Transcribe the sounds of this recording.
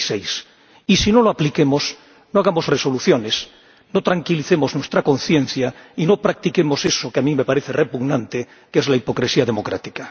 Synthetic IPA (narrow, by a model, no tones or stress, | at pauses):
sejs | isino̞loaplike̞mo̞s | noaɣamo̞zre̞so̞luθjo̞ne̞s | no̞t̪ɾaŋkiliθe̞mo̞znwest̪ɾako̞nθjẽ̞n̟θjaino̞pɾak̚t̪ike̞mo̞se̞sokeamĩme̞paɾe̞θere̞puɣnãnt̪e | kezlaipo̞kɾesiaðemo̞kɾa̰t̪i̥ka